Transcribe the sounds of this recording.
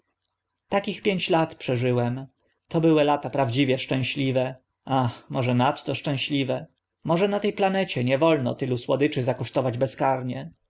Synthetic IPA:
t̪akʲixpʲjeɲt͡ɕlat̪pʂɛʐɘwɛm | t̪ɔbɘwɛlat̪apɾavd͡ʑivʲjɛʂt͡ʂɛ̃w̃ɕlʲivɛ | ʔaxmɔʐɛnat̪ːɔʂt͡ʂɛ̃w̃ɕlʲivɛ | mɔʐɛnat̪ɛjplanɛt͡ɕɛɲɛvɔlnɔ̰t̪ɘluswɔd̪ɘt͡ʂɘzakɔʂt̪ɔvad͡ʑbɛskaɾɲɛ

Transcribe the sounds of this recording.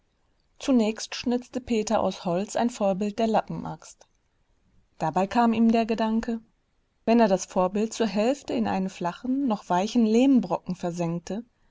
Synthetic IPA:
t͡sunɛːçstʃnʏt͡stəpʰeːtɐʔa̰ʊshɔlt͡sʔa̰ɪnfoːɐbɪlt̚d̥eːɐlapm̩ʔa̰kst | d̥abaɪkʰaːmiːmdeːɐɡədaŋkʰə | vɛneːɐɾasfoːɐbɪlt̚t͡suːɐɦɛlftəɪnʔa̰ɪnəmflaχn̩ːɔχv̥aɪçn̩leːmbʁɔkŋ̩fɛɐzɛŋk̚tʰə

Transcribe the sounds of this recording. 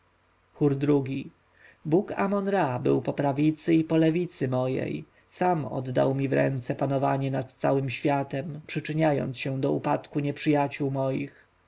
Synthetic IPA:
xuɾd̪ɾuɡʲi | buka̰mɔnɾabɘ̰wpɔpɾavʲit̪sɘipɔlɛvʲit̪sɘmɔjɛ̰j | samɔ̰d̪d̪a̰wmʲivɾɛ̰nt̪sɛpanɔva̰ɲɛnat̪t̪sawɘmɕfʲjat̪ɛmpʂɘt͡ʂɘɲajɔ̰nt̪sɕɛ̃d̪ɔupat̪kuɲɛpʂɘjat͡ɕuwmɔjix

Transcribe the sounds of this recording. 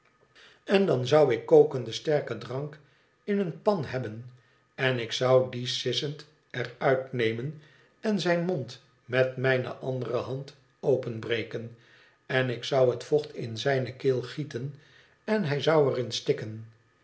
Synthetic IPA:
ɛndɑnzɑwɪkːowkəndəstɛɹkədrɑŋk | ɪnənpɑnɦɛbən | ɛnɪksʌwdisɪsənt | ɛrœɥtnejmən | ɛnzɛjnmont | mɛtmɛjnə̰ʔɑndərəɦɑnt | owpənbrejkən | ɛnɪksɑwɦətfɔχtɪ̰nzɛjnəkɪːlˠχitən | ɛnɦɛjzɑwərɪnstɪkən

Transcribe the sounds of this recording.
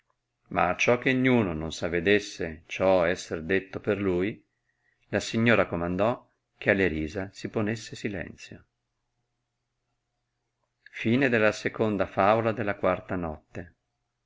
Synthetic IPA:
ma̰ːt͡ʃːɔkːeɲːuːnononsavːed̪esːet͡ʃɔɛsːerd̪et̪ːoperluːj | lasiɲːoːɾakomand̪ɔ | k̟ealːeɾiːzasiponesːesilɛ̰nt̪sjo | fiːned̪elːasekond̪afaːvolad̪elːakwart̪anɔt̪ːe

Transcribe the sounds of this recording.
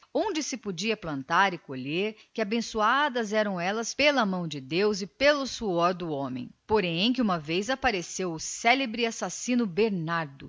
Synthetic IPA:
õd͡ʒɪsɪpod͡ʒiɐplɐ̃nt̪aɾɪkoʎeɾkɪabẽsuad̪ɐzɛɾɐ̃w̃ɛlɐspelɐmɐ̃w̃d͡ʒɪd̪ewzɪpelʊsuɔɾd̪ʊõmḛ̃j̃poɾẽj̃k̬ɪũmɐvejzapaɾesewʊsɛlebɾɪasasĩnʊbeɾnaɾd̪ʊ

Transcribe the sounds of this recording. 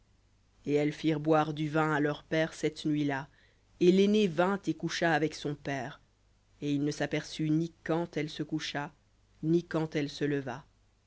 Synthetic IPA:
eɛlfiʁbwaʁd̪yvɛ̃alœʁpɛːʁsɛt̪nɥila | elenevɛ̃t̪ekuʃaːvɛksɔ̃pɛːʁ | eilnəsapɛʁsynikɑ̃t̪ɛlsəkuʃa | nikɑ̃t̪ɛlsələva

